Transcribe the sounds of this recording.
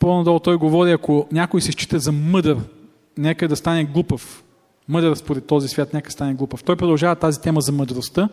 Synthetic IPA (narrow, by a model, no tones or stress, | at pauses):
ponɐd̪ɔlˠt̪ɔjɡovɔɾiɐkonʲakʊjsɛʃt͡ʃi̥t̪əzɐmɤd̪əɾ | nɛkəd̪ɐst̪anɛɡlˠupəf | mɤd̪əɾspoɾɛt̪ːɔzisvʲjat̪nɛkə̥st̪anɛɡlˠupəft̪ɔjpɾod̪ɐlˠʒavət̪azit̪ɛməzɐməd̪ɾost̪ə